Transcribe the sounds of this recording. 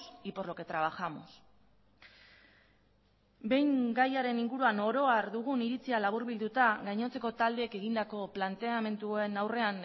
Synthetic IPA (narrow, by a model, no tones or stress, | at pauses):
sipo̞rlo̞ke̞t̪ɾaβaxamos | be̞jŋɡajaɾe̞niŋɡuɾuano̞ɾo̞aɾd̪uɣ̞uniɾit͡sialaβ̞uɾβild̪ut̪aɣajɲo̞t͡se̞ko̞t̪ald̪e̞ːke̞ɣind̪ako̞plant̪e̞ame̞nt̪ue̞nawre̞an